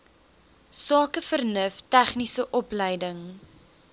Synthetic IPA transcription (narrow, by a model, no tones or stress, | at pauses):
sɑːkəfərnəftæχnisəʔɔplɛjdəŋ